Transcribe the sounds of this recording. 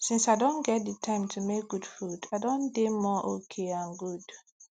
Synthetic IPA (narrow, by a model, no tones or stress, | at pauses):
sĩnsaɪdõnɡɛt̚ditʰãɪ̃mtʰumek̚ɡ̥ud̥fudaɪdõndemɔʔokʰeãnɡud̥